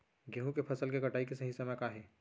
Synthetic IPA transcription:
ɡeːɦũkepʰɐsəlkekɐʈaːikesɐɦisɐmɛkaɦɛː

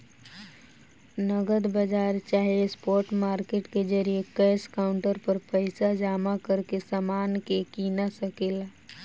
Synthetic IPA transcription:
nəɡəd̪bəd͡ʒaɾt͡ʃaːɦiespoːɾʈmaːɾkeʈked͡ʒəɾijekɛːskaʊɳʈəɾpəɾpəɪsad͡ʒaːmakəɾkesamaːnkekinasəkel

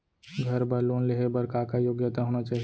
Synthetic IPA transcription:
ɡʱɐɾbəɾloːnleɦebɐɾkakajoːɡjət̪aɦoːnat͡ʃaːɦi

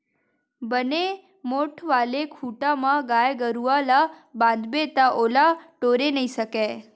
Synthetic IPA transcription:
bəne | moʈʰʋalekʰuʈamãɡajɡəɾualabãnd̪bet̪aʔolaʈoɾenəĩʃəke

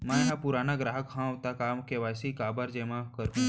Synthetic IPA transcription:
mãeɦãpuɾaːnaɡɾaːɦəkɦãʋt̪akaːmkeʋasikabəɾd͡ʒemãkəɾ

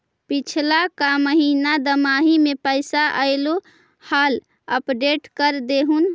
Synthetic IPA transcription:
pit͡ʃʰlakaməɦinad̪əmaɦimepəjsaʔəjlo | hal | əpɖeʈkəɾd̪eɦun

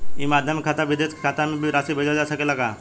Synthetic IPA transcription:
imad̪ʱjəmkʰat̪abid̪et͡skʰat̪amibɾasibʱəd͡ʑad͡zasəkelaka

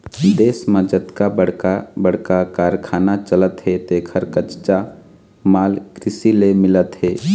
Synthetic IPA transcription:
d̪eːsmə̃d͡ʒət̪kabəɽ̤kabəɽ̤kakaːɾkʰaːnat͡ʃələt̪ɦet̪eːkʰəɾkət͡ʃt͡ʃa | maːlkɾɪsilemɪlət̪ɦeː

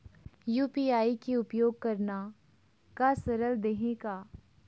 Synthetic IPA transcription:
juːpiːaːikiʊpjoːɡ̚kɐɾna | kasɐɾəld̪eɦẽkaː

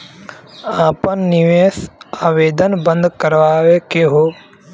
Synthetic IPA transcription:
aːpənːɪʋeːsaːʋeːd̪ənbə̃nd̪kəɾʋaːʋekeɦoː

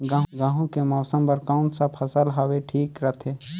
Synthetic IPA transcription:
ɡãɦɡãːɦõkemɔːsəmbəɾkaːʊɳsapʰɐsəlɦɐweʈʰiːkɾət̪ʰeː

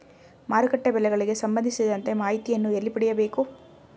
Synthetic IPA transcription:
maːɾukɐʈːɐbɛlɛɡɐɭiɡe̞sɐmbɐnd̪ʱisid̪ɐnt̪e̞maːɦit̪ijɐnːuelːipɐɽɛjɐbeːku

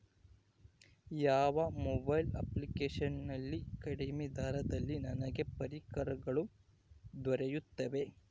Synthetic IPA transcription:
jaːʋɐmɔbɐjlɐ̰plikeːʂɐnnɐlːikɐɽɐmid̪ʱaːɾɐd̪ɐlːinɐnɐɡe̞pɐɾikɐɾɐɡɐɭu | d̪ʋɐɾejut̪ːɐʋe̞

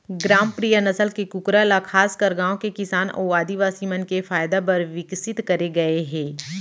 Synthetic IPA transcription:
ɡɾaːmpɾijənɐsəlkekʊkɾalakʰaːskɐɾɡãːõkekɪsaːnɔ̰ːaːd̪iʋaːsimɐnkefaːjd̪ap̬ɐɾʋɪksɪt̪kɐɾeɡɐeɦɛ̃ː

